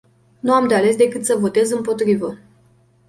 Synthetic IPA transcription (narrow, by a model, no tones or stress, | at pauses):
nuamd̪eale̞s̬d̪e̞kɨt̪səvo̞t̪e̞zɨmpo̞t̪ɾivə